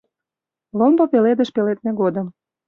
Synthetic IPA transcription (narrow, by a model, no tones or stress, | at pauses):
lombɤpeled̪ə̆ʃpelet̪̚nĕɡod̪ə̆m